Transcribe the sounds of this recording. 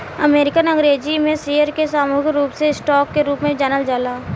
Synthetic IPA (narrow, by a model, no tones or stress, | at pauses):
əmeːɾɪkənə̃ŋɡɾeːd͡ʒimẽsiːjəɾkesaːmuːɦɪɾuːpseɪsʈɔːkːeɾuːpmẽd͡ʒɛːnəld͡ʒaːlaː